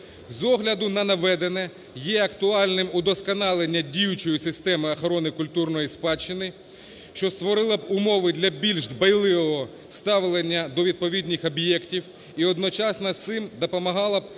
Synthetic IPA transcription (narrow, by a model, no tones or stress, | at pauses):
zɔɦlʲɐd̪ʊnɐnɐʋɛd̪enɛ | jɛɐkt̪ʊɑlʲnɪmud̪ɔskɐnɑlˠenʲːɐdʲijʊt͡ʃɔjisɪst̪ɛmɪɐxɾɔnɪkʊlʲt̪urnɔjispɑt͡ʃːɪnɪ | ʃt͡ʃɔst̪ʋɔɾɪlˠɐb̚ʊmɔʋɪd̪lʲɐbʲilʲʒd̪bɐjlˠɪʋɔɦɔ | st̪ɑʋlˠenʲːɐd̪ɔʋʲid̪̚pɔʋʲidʲnʲɪxɔbjɛktʲiw | iɔd̪nɔt͡ʃɑsnɐsɪmd̪ɔpɔmɐɦɑlˠɐb̚